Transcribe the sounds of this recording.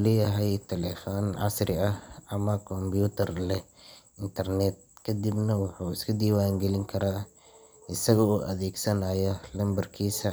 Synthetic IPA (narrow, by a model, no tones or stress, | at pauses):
lɛːjɐɦɛjt̪ʰɛlɛfɔːnʕɑ̰sɾɪɐhɐmɐkʰɔmbjuːt̪ʰɐrlɛ | ɪnt̪ʰɐrnɛt̪̚kʰɐd̪ɪbnɐwɑħaːɪskʰʊd̪iːwaːŋɡɛlɪŋkʰɐɾaː | ɪsɐɣɔɔːʔɐðɛːɡsɐnaːjɐlɐmbɐrkʰiːsɐ